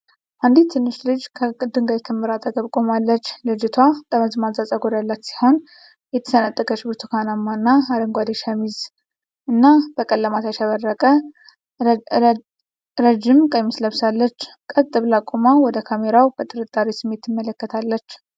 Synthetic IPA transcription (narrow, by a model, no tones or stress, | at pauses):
ʔand̪it̪ʰːɨnːɨʃlɨd͡ʒkʰəd̪ɨŋɡajkʰɨmːɨɾat̪ʼəɡəβkʼo̞malːət͡ʃːlɨd͡ʒɪt̪ʰwat̪ʼəməzmazazʼaɡod̪alːat̪si̥ho̞n | jɛt̪ʰə̥sənat̪ʼːəkʰʼət͡ʃɪbɨɾt̪ʰukʰanamːaɨnːaaɾəŋɡʷad̪eʃamiz | ɨnːab̥əkʼəlːəmat̪aʃəβərːəkʼə | ɾəd͡ʒɪmkʼəjmisləβsalːət͡ʃː | kʼət̪ʼːɨβlakʼomawɔd̪əkʰameɾawbət̪ʼɨɾɨt̪ʼːaɾisɨmːe̞t̪ːɨmːələkːət̪ʰalːət͡ʃː